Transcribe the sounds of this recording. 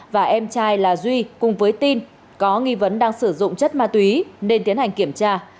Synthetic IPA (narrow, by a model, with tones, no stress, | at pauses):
vaː˨˩ʔɛ˧mt͡ɕaː˧jlaː˨˩zwi˧kʊ˨˩ŋ͡mvəː˨˦jt̪i˧n | kɔ˨˦ŋi˧və˨˦nɗaː˧ŋsɨ˧˩zʊ̰˧˨ŋ͡mt͡ɕə˦˥t̚maː˧t̪wi˨˦ne˧nt̪i˨˦ənha˨˩ŋ̟ki˧˩əmt͡ɕaː˧